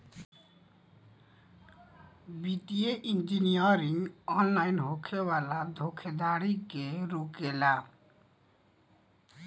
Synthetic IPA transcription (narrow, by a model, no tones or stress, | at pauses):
biʈieʔind͡ʒinijəɾĩŋɡɔnlainɦokʰewalad̪ʱokʰed̪aɽikeɾokela